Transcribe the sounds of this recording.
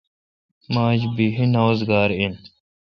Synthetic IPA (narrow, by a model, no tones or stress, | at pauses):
maːd͡ʑbiɦinaːzɡaːɾin